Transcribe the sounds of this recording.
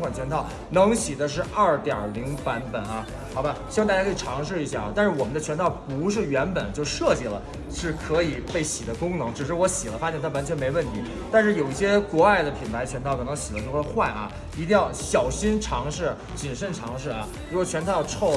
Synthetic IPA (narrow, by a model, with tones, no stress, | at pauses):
ŋkʰwa˨˩nt͡ɕʰɥɛ˧˥nt̪ʰɑ˥˩ʊ | nɤ˧˥ŋɕi˨˩d̪ə˦ʂ̬ɻ̩˥˧ʔɐ˥˩t̪jɑ̰˨˩li˧˥ŋpa˧˥npə˨˩nɐ˧ | xɑ˨˩ʊba˦ɕi˧˥˩wt̪a˥˧˩a˥kʰɤ˥i˨˩ʈ͡ʂʰɑ˧˥ŋʂ̬ɻ̩˥˩i˧˥ɕ̬ja̰˥˩ɐ̰˨˩t̪a˥˧ʂɻ̩˥˩wɔ˨˩mə˦nd̪ə˧t͡ɕʰɥɛ˧˥nt̪ʰɑ˥˩ʊpu˧˥ʂ̬ɻ̩˥˩ɥɛ˧˥npə˨˩˦nt͡ɕjo˥˧ʊʂɤ˥˧t͡ɕi˥˩lə˩ | ʂɻ̩˥˩kʰɤ˧˥i˨˩pe˥˩ɪɕi˨˩d̪ə˦kʊ˥ŋnɤ˧˥ŋʈ͡ʂɻ̩˨˩ʂ̬ɻ̩˥˩wɔ˧˥ɕi˨˩lə˦fa˥t͡ɕjɛ˥˩nt̪ʰa˥wa˥nt͡ɕʰɥɛ˧˥nme˧˥ɪwə˥˩nt̪ʰi˧˥ | t̪a˥˧nʂɻ̩˥˩jo˨˩ʊi˥˩ɕ̬jɛ˥kwɔ˧˥a˥˩ɪd̪ə˩pʰi˨˩npʰa˧˥ɪt͡ɕʰɥɛ˧˥nt̪ʰɑ˥˩kʰɤ˨˩nɤ˧˥ŋɕi˨˩lə˦ʂo˥˧˩wə˥˧xwa˥˩nʔɐ̰˩ | i˧˥t̪i˥˧ŋjɑ˥˩ʊɕjɑ˨˩ʊɕi˥nʈ͡ʂʰɑ˧˥ŋʂɻ̩˥˩ | t͡ɕi˨˩nʂə˥˩nʈ͡ʂʰɑ˧˥ŋʂɻ̩˥˩ɐ˩ | ɻwɔ˧t͡ɕʰɥɛ˧˥nt̪ʰɑ˥˧˩ʊʈ͡ʂʰo˥˩ʊ